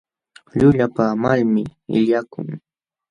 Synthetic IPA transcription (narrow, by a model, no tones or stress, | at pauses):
ʎʊʎapamalmɪɪ̰ʎakʊ̰ŋ